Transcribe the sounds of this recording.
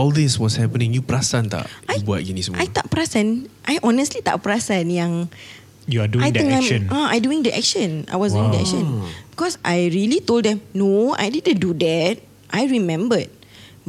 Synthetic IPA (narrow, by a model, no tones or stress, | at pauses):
ɔldɪswɔshɛpənĩŋjupəɾasant̪a̰ʔajbua̰t̚d͡ʒinism̰ajt̪a̰ʔpəɾasãnʔajʔɔnəstlit̪a̰ʔpəɾasãnjãŋ | juaduajt̪əŋãmə̃naajduĩŋdəʔɛ̰k̚ʃə̃na̰jwɔsduĩŋdəɛ̰kʃə̃nbikɔsʔa̰jɹilitoldɛ̃mnoa̰jdidə̃ndudɛt̚ | ʔajɹimɛ̃mbət̚